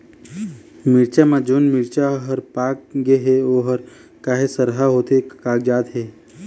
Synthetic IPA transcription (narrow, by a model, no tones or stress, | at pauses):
mɪɾt͡ʃamãd͡ʒoːnmɪɾt͡ʃaɦəɾpaːk̚ɡeɦeoːɦəɾ | kaːɦesəɾɦaɦoːt̪ekaːk̚d͡ʒaːd̪ɦeː